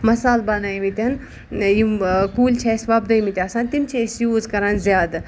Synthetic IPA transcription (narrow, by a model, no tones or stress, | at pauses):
mɐsaːlbɐnajmit̪ʲɐn | jukuːlʲt͡ʃʰesʋɐb̚d̪ɐjmit̪ʲaːsãːnt̪imt͡ʃʰesjuːzkɐɾanzjaːd̪